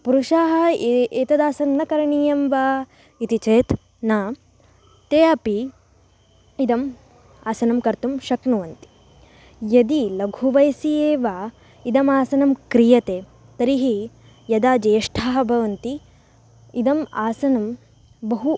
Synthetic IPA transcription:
puɾuʃaːɦɐ̆eːt̪ɐd̪aːsɐnnɐkɐɾɐɳijɐmʋaː | it̪it͡ʃeːt̪ | naː | t̪eːɐpi | id̪ɐm | aːsɐnɐmkɐɾt̪umʃɐknuʋɐnt̪i̥ | jɐd̪ilɐɡʱuʋɐjsieːʋaː | id̪ɐmaːsɐnɐmkɾijɐt̪eː | t̪ɐɾiɦi | jɐd̪aːd͡ʒeːjɐʂʈʰaːɦɐ̆bʱɐʋɐnt̪i | id̪ɐmaːsɐnɐm | bɐɦu

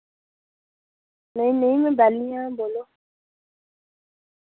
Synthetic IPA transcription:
nɛ̃inẽimẽbalĩãbolo

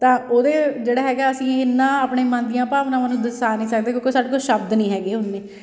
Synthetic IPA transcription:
t̪ãːoːd̪eːd͡ʒeːɽaːɦɛːɡaːəsĩːɪnãːaːpɳeːmãːnd̪ijãːpaːʋnãːmənːũːd̪əsaːnĩːsək̚d̪eːkjõːkoːsaːɖeːkʊt͡ʃʃəb̚d̪nĩːɦɛːɡeːʊnːeː

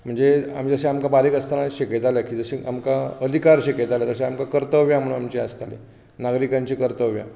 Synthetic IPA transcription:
m̤əɳd͡zea̰m̤id͡zəɕeamkabaɾiːkəst̪anaɕiket̪aljakiːd͡zəɕiʔamkaəd̪ʱikaɾɕiket̪aljad͡zəɕeamkakəɾt̪əʋjam̤əɽuamt͡ɕeəst̪alḛ | naɡɾikaɲt͡ɕiːkəɾt̪əʋja̰

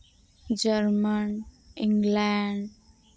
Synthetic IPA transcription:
d͡ʒəɾmən | iŋɡlaɳɖ

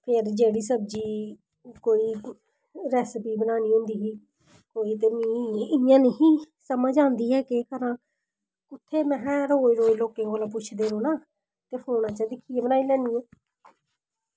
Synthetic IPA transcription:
pʰɪɾd͡ʒeːɽiːsəbd͡ʒiː | koːiː | ɾɛːspiːbənaːniːɦʊ̃nd̪iːɦiː | koːiːt̪eːmĩːɪjãːneɦiː | səməd͡ʒãːnd̪iːɦɛːkekəɾãː | ʊt̪ʰːeːmɛ̃ːɾoːiɾoːiloːkẽːɡoːlõːp̬ʊt͡ʃʰd̪eːɾõːnaː | t̪eːpʰoːnãːt͡ʃəd̪ɪkʰːiːɛ̃ːbənaːiːlɛ̃ːnd̪iːɛ̃ː

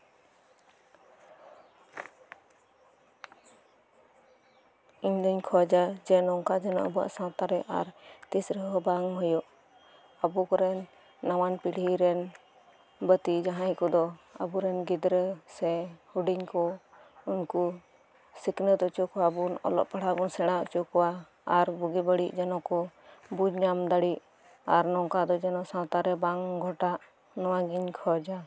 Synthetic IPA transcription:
iɲləɲkʰɔd͡ʒad͡ʒɛnɔŋkad͡ʒana̰ʔbɔa̰ʔsãt̪aɾɛʔa̰ɾt̪isɾəɦɔbaŋɦujɔʔ | abukɔɾɛnː | awanpiɽ̤iɾɛn | bət̪id͡ʒaɦãikɔd̪ɔə̰buɾɛnɡid̪ɾəsɛhuɖiɲkɔ | unku | siknət̪ɔt͡ʃɔkwabunɔ̰lɔ̰ʔpaɽ̤abunsɛɽ̃aʔt͡ʃɔkɔwa | aɾbuɡibəɽiʔd͡ʒɛnɔ̃kɔbud͡ʒɲamd̪aɽiʔ | aɾnɔŋkad̪ɔd͡ʒɛnɔsãt̪aɾɛbaŋɡʱɔʈaʔ | nɔwaɡiɲkʰɔd͡ʒa

